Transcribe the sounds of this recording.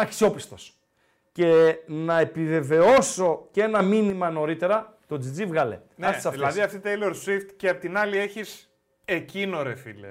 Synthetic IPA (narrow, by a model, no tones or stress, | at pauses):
ɐksio̞pist̪o̞s | ce̞nɐe̞pive̞ve̞o̞so̞ce̞nɐminimɐno̞ɾit̪e̞ɾɐt̪o̞d͡zid͡zivɣɐle̞̰nɐsti̥sɐfðtilɐðsðiɐft̪it̪eiloɾswift̪ceɐpot̪inɐlie̞çis | ecinoɾefḭlḛ